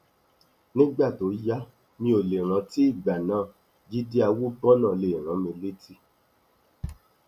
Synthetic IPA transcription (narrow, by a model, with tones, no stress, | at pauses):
nĩ˦ɡ͡ba˦˨to˨˦ja˦ | mĩ˧˦o˨le˨ɾ̃ã˨˧˦ti˦i˦˨ɡ͡ba˨nãː˨˦ | d͡ʒi˦di˦a˧wu˦ɡ͡bɔ̃˦nã˦˨le˨ɾ̃ã˨˦mĩ˧le˦ti˦